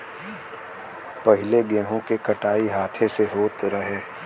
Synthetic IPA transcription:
pɐɦɪleɡẽːɦõkekɐʈaːiɦaːt̪ʰeseɦoːt̪ɾɐɦeː

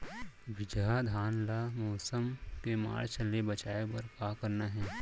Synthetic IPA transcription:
ʋɪd͡ʒad̪ʱaːnlamɔːsəmkema̰ːɾt͡ʃəlebɐt͡ʃaːepɐɾkaːkəɾnaɦɛː

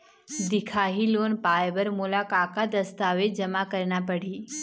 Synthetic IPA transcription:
d̪ɪkʰaːɦiloːnpaːjbəɾmʊlakaːkad̪əst̪aːʋed͡ʒɐmakəɾnapəɽ̤iː

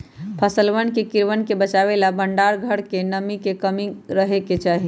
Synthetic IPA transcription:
pʰəsəlʋənkekiɾʋənkebət͡ʃaβelabəɳɖaɾɡʱəɽkenəmikekəmiɾəɦeket͡ʃaɦi

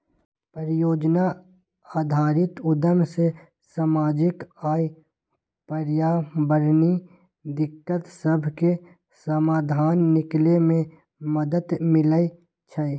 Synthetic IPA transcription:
pəɾjoːd͡ʒna | aːd̪ʱaːɾɪt̪ʊd̪əmse | samaːd͡ʒɪkaːi | pəɾjaːbəɾni | d̪ɪkːət̪səbʱke | səmaːd̪ʱaːnːɪklemẽ | məd̪əd̪mɪləi | t͡ʃʰə

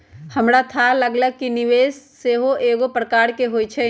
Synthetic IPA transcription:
hɐmɾat̪ʰaləɡləɡ̚kinɪʋeːsːeɦoʔeːɡopɾəkaːɾkeɦoːit͡ʃʰɛ

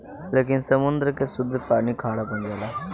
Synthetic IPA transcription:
leːkɪnsəmʊnd̪ɾkesʊd̪ɾpaːnikʰaːɽapõnd͡ʒaːlaː

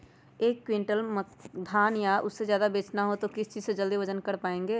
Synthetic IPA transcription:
eːkːwɪ̃ɳʈəlməd̪ʱaːnjaʔʊsːezjaːd̪abeːt͡ʃnaɦot̪okɪst͡ʃiːzsed͡ʒəld̪iʋəd͡ʒənkəɾpaːẽːŋɡeː

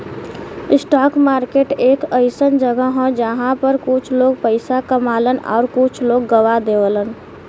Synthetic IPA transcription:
ɪsʈaːkmaːɾkeːʈeːkəɪsənd͡ʒəɡəɦɔ̃d͡ʒəɦãpəɾkʊt͡ʃʰloːɡ̚pəɪsakəmaːlənɔ̰ːɾkʊt͡ʃʰloːɡːəʋad̪eʋələn

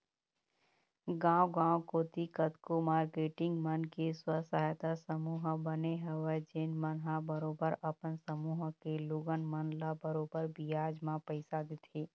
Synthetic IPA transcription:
ɡãːwɡãːwkoːt̪ikət̪komaːɾkeːʈɪ̃ŋɡmənkeswəsaɦjt̪asəmuːɦbəneɦɛwɛd͡ʒɪnmənɦabəɾoːbəɾɐpənsəmuːɦkeloɡənmənlabəɾoːbəɾbijaːd͡ʒmãpəɪsad̪ɪt̪ʰeː

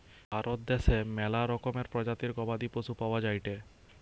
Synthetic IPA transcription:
bʱaɾot̪̚d̪eʃemɛlaɾɔkomeɾpɾɔd͡ʑat̪iɾɡɔbad̪ipɾoʃupawad͡ʑajʈe

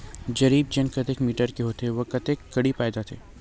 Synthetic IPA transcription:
d͡ʒɐɾiːb̚d͡ʒɐnkɐt̪ekmiːʈəɾkeɦoːt̪eɦɛʋɐkɐt̪ekːɐɽipaːɪd̪at̪ʰeː

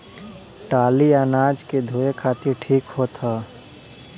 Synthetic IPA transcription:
ʈaːliaːnaːd͡ʒked̪ʱoːekʰaːt̪ɪɾʈʰiːkɦot̪ʰa

